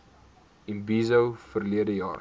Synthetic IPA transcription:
inbiːzəwfərliədəjɑ̰ːr

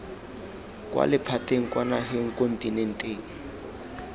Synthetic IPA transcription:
kʼwa̰lɪpʰateŋ̩kwanaɦeŋ̩kʼon̩tʼinɛn̩tʼeːŋ̩

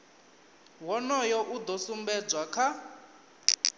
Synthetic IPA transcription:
wɔnɔjɔʔud̪ɔsumbɛd͡zwakʰa

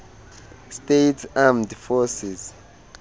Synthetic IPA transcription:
stetʰamdfɔsiz

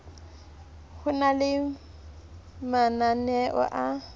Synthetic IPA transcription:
hʊnalɪ | mananɛʔɔ̰ʔa

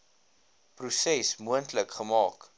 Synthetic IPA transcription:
prusɛsmuəntləkχəmɑːk

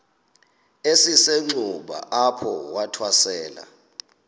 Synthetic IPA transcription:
esiseŋ͡ǀuɓa̰ʔapʰɔwatʰwasɛːla̰

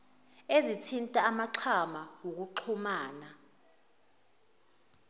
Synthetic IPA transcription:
ezitʰintʼaːmaǃʰamawok̬uǃʰumaːna

